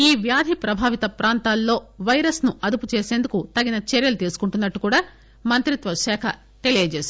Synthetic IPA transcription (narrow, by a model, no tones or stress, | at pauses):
iːʋjaːd̪ʱipɾɐbʱaːʋit̪ɐpɾaːnt̪aːlːo̞ːʋɐjɾɐsnuʔɐd̪uput͡ʃe̞ːseːnd̪ukut̪ɐɡinɐt͡ʃeɾjɐlut̪iːsu̥kuɳʈunːɐʈːukuːɽaː | mɐnt̪ɾit̪ʋɐʃɛːkʰɐ | ʈe̞lijɐd͡ʒeːs